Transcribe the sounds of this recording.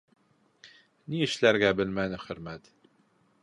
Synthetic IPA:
niɘʃlæɾɡæbɘlmænɨxɵɾmæt̪

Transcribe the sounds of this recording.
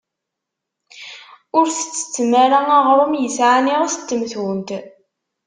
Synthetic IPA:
ʊɾθə̥t͡sːə̥t͡sːəmaɾaæʁɾˤʊmjəsʕaniʁsə̥t̪ːəmθwənt̪

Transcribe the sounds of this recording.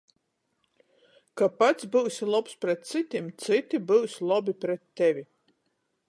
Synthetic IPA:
kapat̪sbɨwsilˠɔpspɾɛt̪̚t̪sit̪ʲimt̪sit̪ʲibɨwsʲlˠɔbipɾɛt̪ːɛvʲi

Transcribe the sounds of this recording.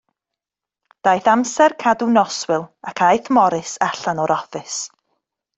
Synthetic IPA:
d̥ajθamsɛrkʰadunɔswɪlˠakʰajθmɔɾɪsaɬanɔɾɔfɨs

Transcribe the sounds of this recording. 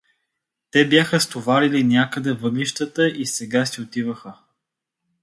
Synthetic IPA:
t̪ɛbjaxəst̪ovaɾilinʲjakəd̪ɛvɤɡliʃt̪ət̪əʔisɛɡasiot̪ivəxə

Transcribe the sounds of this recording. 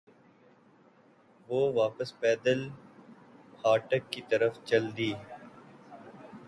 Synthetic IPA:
ʋoːʋaːpəspɛːd̪əl | haːʈəkːit̪ɐɾəft͡ʃɐld̪iː

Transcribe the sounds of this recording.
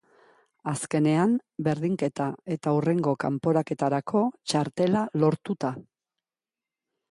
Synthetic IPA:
aske̞ne̞ambe̞ɾðiŋke̞t̪ae̞t̪aure̞ŋɡokampo̞ɾake̞t̪aɾakʰo̞t͡ʃaɾt̪e̞lalo̞ɾt̪ut̪a

